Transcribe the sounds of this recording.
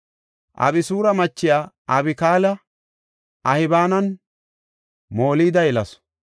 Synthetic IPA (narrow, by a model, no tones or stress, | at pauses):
ʔɐ̰bɪsuːɾɐmɐt͡ʃːɪjaːʔɐbɪkaːlɐ | ʔɐhɪbaːnɐn | moːliːd̪ɐjɛlɐs